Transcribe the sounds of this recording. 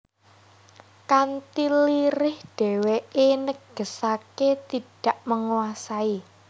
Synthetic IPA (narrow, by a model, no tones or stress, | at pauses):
kant̪iliɾɪhɖ̥ɛ̤weenəɡ̥ə̤saket̪iɖ̥a̤ʔməŋuwasai